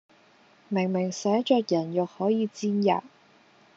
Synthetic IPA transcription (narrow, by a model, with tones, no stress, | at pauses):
mɪ˨˩ŋmɪ˨˩ŋsɛː˨˥t͡ʃœː˧k̚jɐ˨˩njɔ˨k̚hɔː˨˥jiː˨˧t͡siː˥nja̰ː˨˩t̚